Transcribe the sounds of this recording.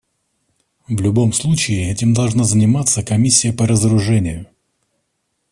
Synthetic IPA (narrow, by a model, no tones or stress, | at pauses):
vlʲʊbo̞mslˠut͡ɕɪɪɛtʲɪmd̪ɐlˠʐnazənʲɪmat̪sːəkɐmʲisʲːɪjəpəɾəzəɾʊʐɛnʲɪjʊ